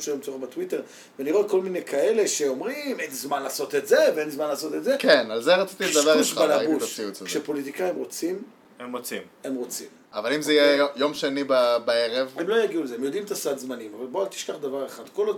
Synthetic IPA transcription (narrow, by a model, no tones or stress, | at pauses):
ʃelomt͡sobat̪wit̪e̞ʁ | veniʁoetko̞lminekʰae̞le̞ʃe̞o̞mʁimezezmanlaːso̞t̪etzeveenzmanlaːso̞t̪etzekenalzeʁat͡sit̪id̪avauʃbalabuiukʃepo̞lit̪̬ikaimʁo̞t͡sim | emʁot͡sim | emʁo̞t͡sim | avalimzejejo̞mʃenibabaeʁevemlo̞jaɡiulezeemjod̪imt̪asad̪zmanimavalboalt̪i̥ʃkaχd̪avaʁeχad̪̥ko̞lo